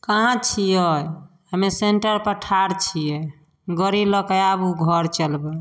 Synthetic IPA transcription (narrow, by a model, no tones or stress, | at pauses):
kaɦãt͡ʃʰijəj | ɦəmeseɳʈəɾpəʈʰaɾt͡ʃʰije | ɡəɾiləkəjabuɡʱɔɾt͡ʃəlbɛ